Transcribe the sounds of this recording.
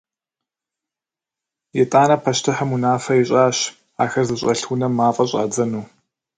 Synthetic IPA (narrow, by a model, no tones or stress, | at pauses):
jɛtʼaːnɐpʰɐʃtʰɨħɐmunaːfɐɪɕʼaːɕ | aːxɐrzɨɕʼɐɬunɐmːaːfʼɐɕʼa̰ːd͡zɐnuː